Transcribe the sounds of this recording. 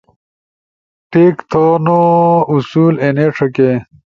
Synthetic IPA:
ʈiːkt̪ʰonousuːleneʂʰɐke

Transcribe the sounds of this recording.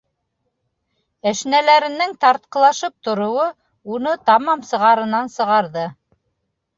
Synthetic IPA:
æʃnælæɾɘ̆nːɘŋt̪ɑɾt̪̚qɤ̆lˠɑʃɤp̚t̪ŏɾŏwɤ | un̪ɤt̪ɑmɑmsɤ̆ʁɑɾɤ̆nɑnsɤ̆ʁɑɾðɤ

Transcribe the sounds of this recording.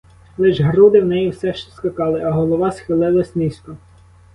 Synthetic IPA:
lˠɪʒɦɾud̪ɪwnɛjiwsɛʃt͡ʃɔskɐkɑlˠɪʔɐɦɔlˠɔʋɑsxɪlˠɪlˠɐsʲnist̪ɔ

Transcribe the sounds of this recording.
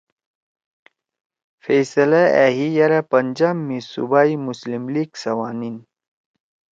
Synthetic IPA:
fesɐlaeɦijɐɾapɐnd͡ʑaːmːisṵbaːimuslimliːɡsɐwaːnin

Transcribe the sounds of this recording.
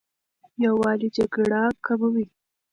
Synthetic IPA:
jawɑlid͡ʒaɡɽakabəwi

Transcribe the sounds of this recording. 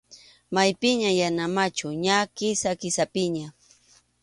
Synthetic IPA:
majpɪɲajanamat͡ʃʊɲakɪsakɪsapɪɲa

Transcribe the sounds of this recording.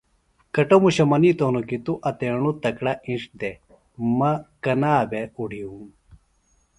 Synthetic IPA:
kɐʈomuɕɐmɐnit̪oːnokit̪uʔɐt̪eːɳut̪ɐkɽɐĩʂd̪e | mɐkɐnaːbeuɽʱiũm

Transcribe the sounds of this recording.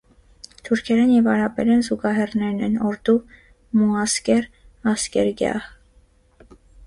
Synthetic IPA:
t̪ʰuɾkʰɛɾɛnjɛvɑɾɑpɛɾɛnzuɡɑɦɛrnɛɾnɛnɔɾd̪u | muɑskɛɾ | ɑskɛɾɡjɑ̰h

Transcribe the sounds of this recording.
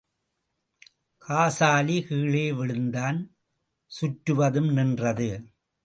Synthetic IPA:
kʰaːsaːlikiːɭeːʋɪɻɯnd̪aːn | sʊʈɾɯʋɐðɯmnɪndrɐðɯ

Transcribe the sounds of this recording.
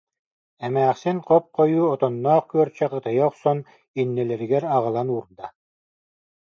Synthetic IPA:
ɛmæːχsinqɔp̚qɔjuːɔt̪ɔnːɔːχkyœɾt͡ɕɛqɯt̪ɯjɔχsɔn | inːɛlɛɾiɡɛɾaʁɯlˠanuːɾd̪a

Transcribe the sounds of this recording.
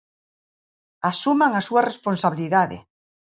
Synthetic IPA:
asumaŋasuaresponsaβiliðaðḛ

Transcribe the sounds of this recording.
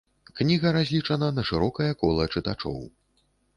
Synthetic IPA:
knʲiɣɐɾazʲlʲit͡ʂɐnɐnɐʂɨɾɔkɐjɐkɔlˠɐt͡ʂɨt̪at͡ʂɔ̰w

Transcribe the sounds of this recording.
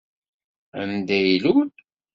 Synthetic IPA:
æ̰nd̪æjilud̪

